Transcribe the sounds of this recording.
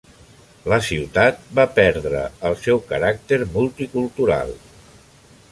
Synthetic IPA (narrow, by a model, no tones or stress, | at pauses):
ləsiwt̪at̪̚bapɛɾðɾə̰əlˠsɛwkəɾak̚t̪eɾmulˠt̪ikulˠt̪uɾa̰lˠ